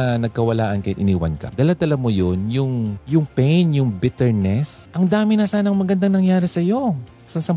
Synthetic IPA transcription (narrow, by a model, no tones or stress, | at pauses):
ɐnɐɡ̚kɐwɐla̰ːʔɐnkɐt̪ʔɪ̰niːwɐ̰nkɐ̰d̪ɐlad̪ɐlamojonjʊŋjʊŋpɛjnjʊŋbɪt̪ɛɹnɛsʔɐŋd̪aːmɪnɐsaːnɐŋmɐɡɐnd̪aŋnɐŋjaːɾɪsɐjo̞ | sɐsɐm